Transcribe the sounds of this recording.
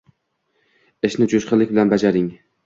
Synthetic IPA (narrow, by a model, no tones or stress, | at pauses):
eʃnɪd͡ʒʊʃqʰɨlɪkʲbɪlanbad͡ʒaɾɪŋ